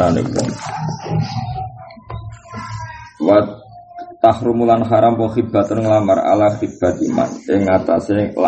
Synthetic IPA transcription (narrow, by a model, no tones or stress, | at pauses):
anḛkɔ̰ | wa | t̪ahɾumulanχaɾampəχib̥a̤t̪ʊnŋlamara̰laχib̥a̤t̪ima̰nɪŋːat̪a̰sela